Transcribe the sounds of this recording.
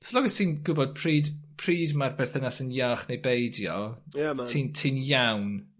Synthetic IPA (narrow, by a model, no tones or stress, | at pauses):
sɔlˠɔɡɔstʰiːnɡʊbɔd̥̚pʰriːdpʰriːdmarbɛrθənasənjaːχnejbejdjɔatʰiːntʰiːnjawn